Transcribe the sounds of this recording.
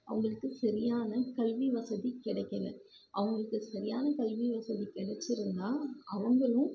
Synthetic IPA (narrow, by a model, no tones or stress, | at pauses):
ʔɐ̰ʋɐŋɡɐɭɯkːɯsɐɾɪjaːnɐkɐlʋiʋɐsɐðikɪɽɐkːɐŋɡɐ̰ɭ | ʔɐ̰ʋɐŋɡɐɭɯkːɯsɐɾɪjaːnɐkɐlʋiʋɐsɐðikɪɽɛt͡ʃːɪɾɯnd̪aːʔɐʋɐŋɡɐɭɯ̃